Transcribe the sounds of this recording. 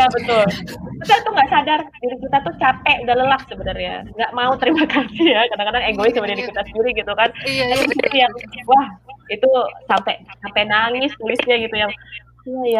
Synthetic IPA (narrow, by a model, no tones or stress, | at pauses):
jabət̪ʊlkapat̪uŋɡaʔsadardiɾikit̪at̪ut͡ʃapɛʔudaləlahsəbənarɲa̰ŋɡaʔmaut̪əɾimakasijakadaŋkadaŋeŋɡoisəbənadikit̪asəndiɾiɡit̪ukankataŋsut̪ijaŋwahit̪usampɛsampɛnaŋɪst̪ulisiaɡit̪ujaŋ | jaja